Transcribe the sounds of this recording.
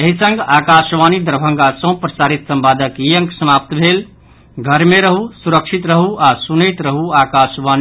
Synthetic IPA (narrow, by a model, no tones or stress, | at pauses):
eɦisə̃ŋɡakasʋanid̪əɾbʱə̃ŋɡasə̃w̃pɾəsaɾit̪sə̃mpad̪əkijəŋksəmap̚t̪bʱel | ɡʱəɾmeɾəɦusuɾəkʂʰit̪ɾəɦuʔasunəjt̪ɾəɦuakasʋani